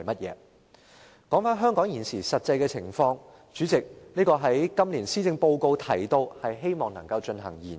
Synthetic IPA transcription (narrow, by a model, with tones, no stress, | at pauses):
jmɐ˥t̚jɛ̰ː˨˧˦ | kɔː˨˥ŋfaː˥nɦœː˥ŋkɔː˨˥ŋjiː˨˩nsiː˨˩sɐ˨t̚t͡sɐ˧jkɛː˧t͡sʰɪ˨˩ŋfɔː˧ŋ | t͡ʃyː˨˥t͡sɪ˨k̚niː˥kɔː˧ɦɐ˨˥jkɐ˥mliː˨˩nsiː˥t͡sɪ˧ŋpo˧wko˧wt̪ʰɐ̰˨˩jt̪o˧whɐ˨jɦe˥jmɔː˨˩ŋnɐ˨˩ŋkɐ˧wt͡ʃɵ˧nɦɐ˨˩ŋjiː˨˩n